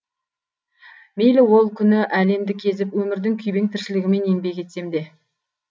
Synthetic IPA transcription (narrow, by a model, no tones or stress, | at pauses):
mejlɪwo̞lˠkʲʰʏnɪʔæle̞md̪ɪkʲʰe̞zɪpwɵmɪɾd̪ɪŋkʲʰʏjbeŋt̪ʰɪɾʃɪlɪɡʲɪme̞nembe̞kʲe̞t̪se̞md̪e̞